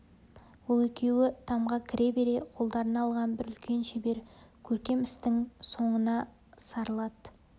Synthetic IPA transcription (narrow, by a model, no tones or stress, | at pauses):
wolˠe̞kʲe̞wɪt̪ʰɑmʁɑkʲʰɪɾʔe̞be̞ɾe̞qʰo̞lˠd̪ɑɾənɑlˠʁɑnbɪɾʏlkʲʰe̞nʃebe̞ɾkʲʰɵɾkʲe̞mɪst̪ɪŋso̞ɴənɑ | sɑɾəlˠɑd̪